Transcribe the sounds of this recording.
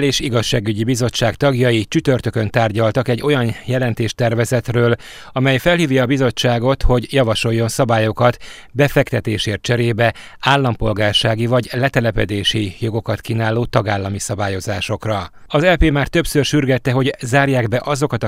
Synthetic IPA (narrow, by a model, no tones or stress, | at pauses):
leːʃiɡɒʃːaːɡyɟibizo̞t͡ʃːaːkt̪ɒɡjɒjit͡ʃyt̪ø̞rt̪økønt̪aːrɟɒlt̪ɒkɛɟːo̞jɒnjɛlɛnt̪eːʃt̪ɛrvɛzɛt̪røːl | ɒmɛjfɛlhiːvjɒːbizo̞t͡ʃːaːɡo̞t̪ho̞ɟjɒvɒʃo̞jːo̞nsɒbaːjo̞kɒt̪ | bɛfɛkt̪ɛt̪eːʃeːrt̪̚t͡ʃɛɾeːbɛ | aːlːɒmpo̞lɡaːrʃaːɡivɒɟlɛt̪ɛlɛpɛd̪eːʃijo̞ɡo̞kɒt̪kinaːloːt̪ɒɡaːlːɒmisɒbaːjo̞zaːʃo̞krɒ | ɒzɛpeːmaːrt̪ø̞psørʃyrɡɛt̪ːɛɦo̞ɟzaːrjaːɡbɛʔɒzokɒt̪ɒ